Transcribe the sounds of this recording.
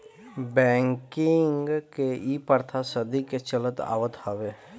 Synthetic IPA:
bɛ̃ːŋkɪŋɡkeiːpəɾt̪ʰasəd̪iket͡ʃələt̪a̰ːwət̪haːʋe

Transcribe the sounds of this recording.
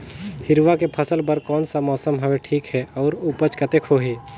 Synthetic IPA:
hɪɾʋakepʰəsəlpəɾkɔːnsamɔːsəmɦɐʋeʈʰiːkɦɛɔːɾupət͡ʃkɐt̪ekʰoːɦeː

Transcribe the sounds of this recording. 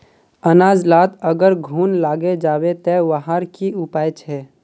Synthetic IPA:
ənaːd͡ʒlaːt̪əɡəɾɡʱuːnlaːɡed͡ʒaːwet̪ɛʋəɦaɾkiʊpaːjt͡ʃʰɛː

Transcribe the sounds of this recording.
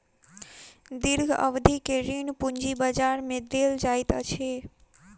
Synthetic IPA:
d̪ɪɾɡʱə̰ʋd̪ʱikeɾinpʊɲd͡ʒibəd͡ʒaɾmẽd̪eːld͡ʒaːjt̪at͡ʃʰe

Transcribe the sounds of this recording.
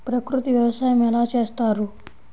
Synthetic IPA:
pɾɐkɾut̪iʋjɐʋɐsaːjɐmɛlaːt͡ʃe̞ːst̪aːɾu

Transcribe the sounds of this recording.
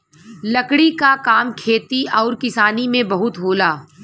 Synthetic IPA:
lɐkɽikakaːmkʰeːt̪iɔːɾkɪsaːnimẽbɐɦʊt̪ɦoːlaː

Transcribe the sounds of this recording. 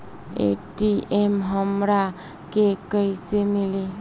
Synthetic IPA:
ḛʈiemɦəmɾa | kekəjsemili

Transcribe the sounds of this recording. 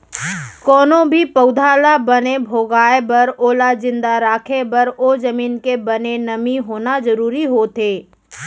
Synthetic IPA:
kɔːnõbʱipəʊd̪ʱaːlabənebʱoːɡaːebɐɾoːlad͡ʒɪ̃nd̪aɾaːkʰebɐɾoːd͡ʒəmiːnkebɐnenɐmiɦoːnazəɾuːɾiɦoːt̪ʰeː

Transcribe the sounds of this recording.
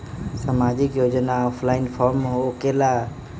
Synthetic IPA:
samad͡ʒikjod͡ʒnaɔpʰlainpʰɔɾmɦokela

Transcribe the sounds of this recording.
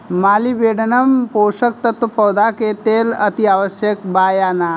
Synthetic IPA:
maːlibeːɽnəmpoːʂək̚t̪ət̪əpəwd̪aket̪eːlət̪iaːʋəʃjək̚baːjaːna

